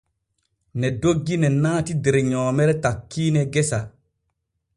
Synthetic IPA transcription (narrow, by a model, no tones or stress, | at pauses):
nɛdoɡːinɛnaːtideɾeɲɔːmɛɾɛtakʰːiːnɛɡesa